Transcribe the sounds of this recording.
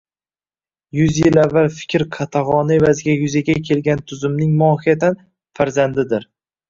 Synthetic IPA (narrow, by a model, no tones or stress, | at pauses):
jʊzjɪlavːalfɪ̥kʲʰɾqʰɑt̪ʰaʁɒnɪe̞vazɪɡʲajʊzaɡʲakʲʰe̞lɡʲant̪ʰʊzɪmnɪŋmʊɒːhijat̪ʰan | faɾzand̪ɪd̪ɪɾ